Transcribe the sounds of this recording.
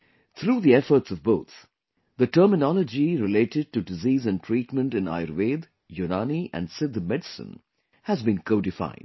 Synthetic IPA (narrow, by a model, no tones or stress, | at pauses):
t̪ʰɾuːðiɛfəɾʈsɔvboʊt̪ | ðəʈəɾmɪnɔləd͡ʒiɾɪleːʈɪɖ̚ʈuɖɪziːzæ̃n̚ʈʰɾiːʈmə̃nʈɨ̃na̰ɪəɾʋeːd̪ | junaniʔæ̰̃nɖsɪd̪mɛɖsə̰̃n | hæzbĩnkʰoʊɖɪfa̰ɪd